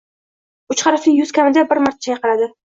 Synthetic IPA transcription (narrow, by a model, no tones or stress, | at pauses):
ʊt͡ʃχɑɾɪflɪjʊz̥kʲʰamɪd̪abɪɾmaɾt̪ʰḁt͡ʃʰajɑqɨɾad̪ɪ